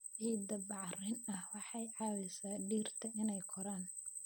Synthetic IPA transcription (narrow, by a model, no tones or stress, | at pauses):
ʕiːd̪ɐbɑʕrɪnɐhwɑħɑjʕɑːwɪsaːɖiːrt̪ʰɐʔɪnɛjkʰɔɾaːn